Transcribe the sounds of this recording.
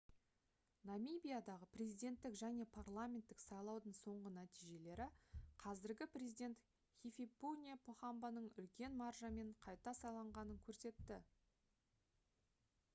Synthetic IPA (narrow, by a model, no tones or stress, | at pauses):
namijbʲijad̪ɑʁəprʲe̞zijd̪ʲe̞nt̪ːɪkʒæne̞pʰarlˠamʲent̪ːɪksɑjlˠɑwd̪əɴso̞ɴʁənæt̪ijʒe̞le̞ɾɪqʰɑzɪɾɡʲɪprʲe̞zijd̪ʲe̞nt̪ | χʲifʲipːunʲijapʰoχɑmbɑnəɴʏlkʲe̞nmɑrʒɑme̞ɴqʰɑjt̪ɑsɑjlˠɑɴʁɑnəŋkʲʰɵɾse̞t̪ːɪ